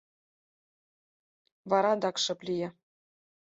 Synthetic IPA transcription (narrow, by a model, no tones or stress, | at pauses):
vɑɾɑd̪ɑkʃɤ̆plʲijĕ